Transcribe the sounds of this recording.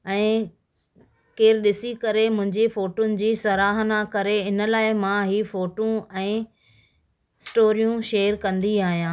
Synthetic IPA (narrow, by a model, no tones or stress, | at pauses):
ɛ̃ː | keːɾɗɪsikɐɾemʊ̃ɦɪ̃ɲd͡ʑefoːʈoʊnɪ̆d͡ʑiːsɐɾaːɦnakɐɾeɪnə̆laːɪmãɦiːfoːʈõɛ̃ː | ɪsʈoːɾijũʃeːəɾkɐ̃nd̪iaːɦijãː